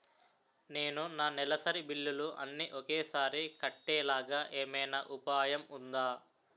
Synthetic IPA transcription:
ne̞ːnunaːnɛlɐsɐɾibilːuluʔɐ̰nːiʔɔkeːsaːɾikɐʈːɛːlaːɡaːʔeːmɐjnɐʔupaːjɐmund̪aː

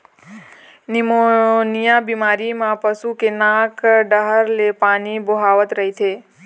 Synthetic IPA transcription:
nɪmonijabimaɾimãpəsukenãkɖəɦəɾlepaːniboɦaʋət̪ɾəɦit̪ʰe

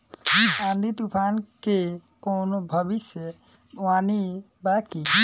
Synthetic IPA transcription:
band̪ʱit̪upʰankekownobʱəbisjə | wani | baki

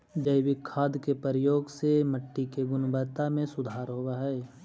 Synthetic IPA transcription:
d͡ʒəɪwɪkʰːaːd̪kepəɾjoːɡseməʈːikeɡʊnbət̪amẽsʊd̪ʱaːɾɦowaɦɛː

